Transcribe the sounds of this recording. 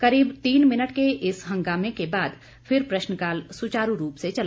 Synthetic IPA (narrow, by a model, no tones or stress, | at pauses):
kɐɾiːbt̪iːnmɪnəʈkeʔɪsɦɐ̃ŋɡaːmekebaːd̪ | fʰɪɾpɾɐʃnəkaːlsʊt͡ʃaːɾuɾuːpset͡ʃɐl